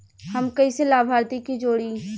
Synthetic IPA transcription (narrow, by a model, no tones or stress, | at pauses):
hɐmkɐiselaːbʱaːɾt̪ikid͡ʒoːɽi